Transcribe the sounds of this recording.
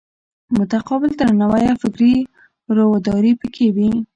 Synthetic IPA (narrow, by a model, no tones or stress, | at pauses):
mʊt̪aqɔbɪlt̪əɾnawajafɪkɾi | ɾowad̪ɑɾipəkʰewi